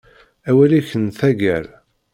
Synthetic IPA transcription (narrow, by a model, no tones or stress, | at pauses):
æwælæçənθæɡæɾ